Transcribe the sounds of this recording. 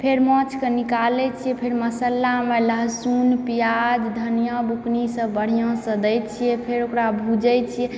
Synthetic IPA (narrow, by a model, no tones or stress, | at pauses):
pʰeɾmɔ̃t͡ʃʰkenikalɛt͡ʃʰiɛpʰeɾməsəlːameləɦsunpijad͡ʒd̪ʱənijə̃buknisə̃bəɽ̤ijɔ̃sə̃d̪ɛjt͡ʃʰijɛpʰeɾokɾabʱud͡ʒɛt͡ʃʰijɛ